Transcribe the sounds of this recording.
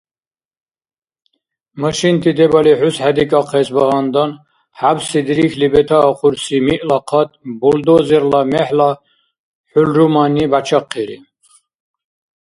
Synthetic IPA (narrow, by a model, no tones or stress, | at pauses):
maʃint̪ʰid̪ɛbaliħushad̪ikʼaqʰɛsbaɦand̪an | ħabsid̪ɾixʰlibɛt̪ʰaːχʰuɾsimiʔlaqʰat̪ʼbɔld̪ɔzɛɾlamɛħla | ħulɾumanibat͡ʃʰaqʰːiɾḭ